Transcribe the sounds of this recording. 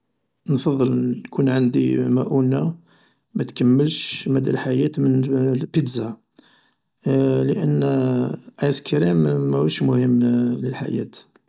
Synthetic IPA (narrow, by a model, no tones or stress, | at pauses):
nfɑðˤːəlnkunʕand̪ḭmæʔuna | mæt̪kəmːəlʃmæd̪ælħajæt̪mənpəd̪za | ləʔənː | ʔæskɾimːæhəʃmʊhəmːləlħa̰jæ̰t̪